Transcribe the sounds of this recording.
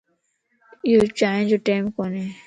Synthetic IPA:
joːt͡ʃaːɦẽːd͡ʒoːʈeːmkoːnẽː

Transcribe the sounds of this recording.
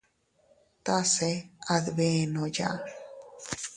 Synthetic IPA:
t̪aseaðbenoja̰

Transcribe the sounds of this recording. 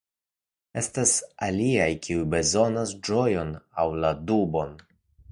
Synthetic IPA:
e̞stasaliajkʰiujbe̞zo̞nasd͡ʒo̞jo̞nawladubo̞n

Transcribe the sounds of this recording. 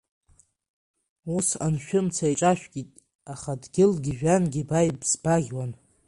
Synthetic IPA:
usa̰nʃᶣʊmt͡sʰaiʈ͡ʂʼaʃᶣɡʲitʼ | aχadɡʲɪlɡʲiʒᶣanɡʲibajbz̥baɡʲwan

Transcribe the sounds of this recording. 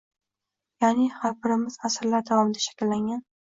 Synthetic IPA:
janɪhaɾbɪɾɪmɪzasɾlaɾd̪avɒmɪd̪aʃḁkʲɪlːaŋɡʲan

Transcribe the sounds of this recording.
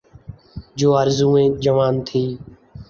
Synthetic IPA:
d͡ʒoːaːɾzũːẽːd͡ʒəʋaːnt̪ʰiː

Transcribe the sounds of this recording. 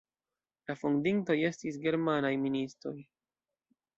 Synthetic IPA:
lafundinto̞je̞stis̬ɡe̞ɾmanajministɾo̞j

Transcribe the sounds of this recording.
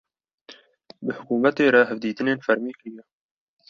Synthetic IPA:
bɨhʊkuːmɛt̪eːɾɛɦɛvd̪iːt̪ɨneːnfæɾmiːkɨɾijɛ

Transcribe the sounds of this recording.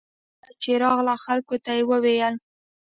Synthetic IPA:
ət͡ʃeɾɑɣlaxalkot̪ajewəwejəl

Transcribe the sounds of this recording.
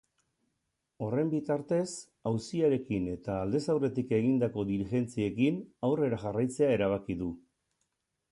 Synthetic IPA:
o̞re̞mbit̪aɾt̪e̞s | awsiaɾe̞kine̞t̪aːld̪e̞sawre̞t̪ike̞ɣind̪ako̞ðiɾixe̞nt͡sie̞kinawre̞ɾaʝarajt͡se̞ae̞ɾaβ̞akiðu

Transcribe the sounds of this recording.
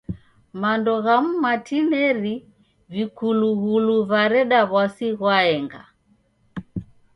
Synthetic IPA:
mandɔɣam̩matinɛɾi | vikuluɣuluβaɾɛɗaβwasiɣwaɛŋɡa̰

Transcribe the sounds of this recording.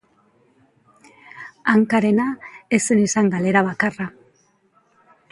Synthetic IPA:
aŋkaɾe̞naesenisaŋɡale̞ɾaβakara

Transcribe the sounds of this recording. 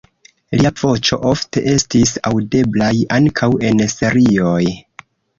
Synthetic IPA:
liav̥o̞t͡ʃo̞̰ʔo̞fte̞ʔe̞stisa̰wde̞blajaŋkʰawe̞nse̞ɾio̞j

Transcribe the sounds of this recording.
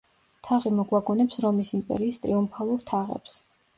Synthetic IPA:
t̪ʰaʁimɔɡwaɡɔnɛpsɾɔmisimpʼɛ̰ɾiːst̪ʼɾiumpʰalˠuɾt̪ʰaʁɛ̰ps

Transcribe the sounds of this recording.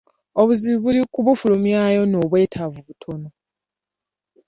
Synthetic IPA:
oβuziβiβulikuβufulumjajo̞no̞ːβwe̞ːtʰavuβutʰono

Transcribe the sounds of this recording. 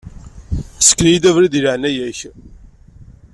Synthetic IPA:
sə̥kːənjid̪ævɾid̪ilʕnæjæç

